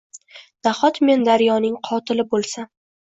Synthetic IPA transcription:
d̪̥aχɒt̪me̞nd̪aɾjɒnɪŋqʰɒt̪ʰɪlɪbolˠsa

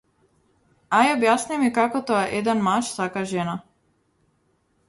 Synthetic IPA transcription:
ajɔbjasnimikakɔt̪oaʔed̪ɛnmaʃsakaʒɛna

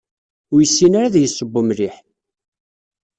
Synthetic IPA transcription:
ʊjəsːinaɾaðjəsˤːəbːʊmɾiħ

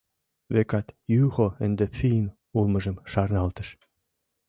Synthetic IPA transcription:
βekɑt̪jyxoə̆nd̪ĕpfiən | ulmə̆ʒə̆mʃɑrnɑlt̪ə̥̆ʃ

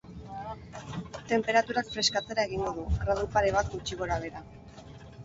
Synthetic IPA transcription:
t̪e̞mpe̞ɾat̪uɾakfɾe̞skat͡se̞ɾae̞ɣ̞iŋɡo̞ð̞uɣɾað̞upaɾe̞βat̪̚ɡut͡ʃiɣo̞ɾaβ̞e̞ɾa

